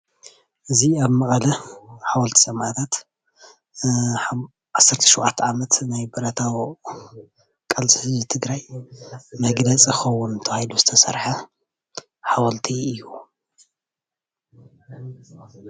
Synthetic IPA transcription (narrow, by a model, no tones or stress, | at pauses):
ʔɨziaβmɐχʼɐlɐħawɐlt̪ʰi̥sʼɐmat̪ʰat̪ | ʕasːɐɾt̪ʰɐ̥ʃuwʔat̪ʰːʕamɐt̪najbɐɾɐt̪ʰaw | kʼɐlsʼihɨzit̪ʰɨɡɾaj | mɐɡlɐt͡sʼxɐwːunt̪ʰɐβahiluzɨt̪ʰɐsɐ̰ɾħa | ħawɐlt̪ʰiɨjːu